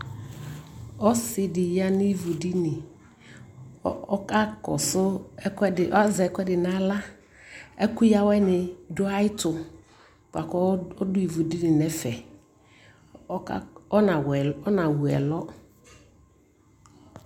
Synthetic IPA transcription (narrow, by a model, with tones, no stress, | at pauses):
ɔ˦sɪ˨dɪ˨ja˦nʊ˦i˦vu˨di˦nɪ˨˦ | ka˦kɔ̰˨sʊ˦ | ɪ˨ʔzɛ˨ɛ˨˦kʷɛ˦dɪ˨na˦la˦ | ɛ˦kʊ˦ja˦wɛ˦nɪ˨dʊ˦a˦ɪ˦tʊ˨ | ka̰˨kɔ˦ɔ˦dʊ˦i˨vu˨di˦nɪ˨nɛ˨fɛ˨˦ | ɔ˦nã˨wɛ˨ɔ˦nã˨wu˨ɛ̰˨lɔ˦